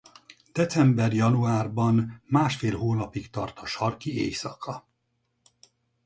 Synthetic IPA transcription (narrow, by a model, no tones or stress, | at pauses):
d̪̥ɛt̪sɛmbɛrjɒnuaːrbɒnmaːʃfeːlɦoːnɒpikt̪ɒrt̪ɒʃɒrkiḛːjsɒkʰɒ